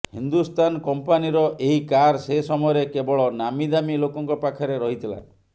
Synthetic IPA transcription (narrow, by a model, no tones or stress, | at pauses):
hind̪ust̪ankɔmpaniɾɔʔeɦikaɾsesɔmɔjɔɾekebɔɭɔnamid̪amilokɔŋkɔpakʰɔɾeɾɔɦit̪ʰila̰